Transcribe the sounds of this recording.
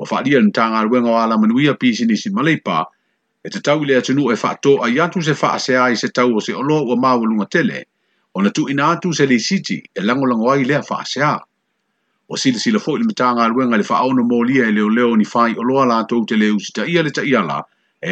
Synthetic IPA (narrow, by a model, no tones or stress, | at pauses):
uɐ̰fa̰ʔaliɐlemetaːŋaːlueŋaoaːlamanuiɐpiːsinisimalejpa̰ | etatawileatunuʔoefa̰ʔatoːʔajatus̬efa̰ʔaseaːisetawoseoloauɐmaːwaluŋɐtelḛ | onɐtuʔinaatuselejsitḭelaŋolaŋoajleɐfa̰ʔa̰seaː | uɐsilasilɐfoʔilemetaːŋaːlueŋalefa̰ʔaonomoːliɐeleoleoonifaːiʔoloɐlaːtowteleːusi̥taʔialetaʔialɐ̰ | e